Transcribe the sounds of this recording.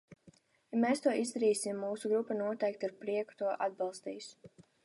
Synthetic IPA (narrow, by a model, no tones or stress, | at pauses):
jameːst̪uɔʔizd̪aɾiːsimːuːsuɡɾupːanuɔt̪ɛjk̚t̪aɾpɾiɛku̥t̪uɔʔad̪̚bɑlˠst̪ḭːs